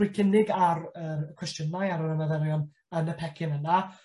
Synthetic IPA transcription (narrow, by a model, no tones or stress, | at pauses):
ɨjkʰɪnɪɡaɾəːməkʰw̥ɛstjənajaɾəɾənaðɛɾjɔn | ənəpʰɛkʰɪnəna